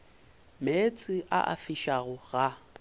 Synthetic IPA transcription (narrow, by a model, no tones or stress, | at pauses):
met͡sʼɪʔa̰ʔa̰fiʃaɣʊɣa